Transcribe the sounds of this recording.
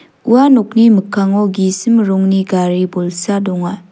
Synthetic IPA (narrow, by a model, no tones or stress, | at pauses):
uanɔk̚nimɯkʰːaŋɔɡisimɾɔŋniɡaɾibɔlsadɔŋaj